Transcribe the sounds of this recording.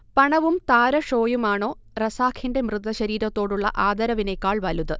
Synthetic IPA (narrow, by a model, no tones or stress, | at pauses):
pɐɳɐʋumt̪aːɾɐʂo̞ːjumaːɳo̞ː | rɐsaːkʰinde̞mrɨd̪ɐɕɐɾiːɾɐt̪ːo̞ːɽuɭːɐ̰ʔaːd̪ɐɾɐʋine̞kːaːɭʋɐluðɨ